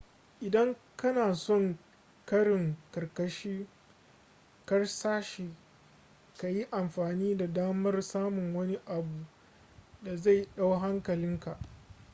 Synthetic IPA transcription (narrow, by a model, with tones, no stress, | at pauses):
ʔɪ˨dɐ˦ŋ | kɐ˦naː˨sɔ˦˨ŋ | kɐ˦ɽɪ˨ŋkɐ˨rkɐ˦ʃiː˦ | kɐ˦rsaː˦ʃeː˨ | ka˨ji˦ʔa˨mɸaː˨niː˦da˨daː˦mɐ˦rsaː˦mʊ˨ŋwɐ˦ni˦ʔa˨bu˨ | da˨za˦˨jɗa˦wɦa˦ŋkɐ˨lɪ˦ŋka˨ʔ